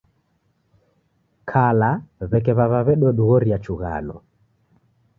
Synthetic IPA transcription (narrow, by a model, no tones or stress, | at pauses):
kʰalaβɛkɛβaβaβɛɗɔɗuɣɔɾiat͡ʃuɣa̰lɔ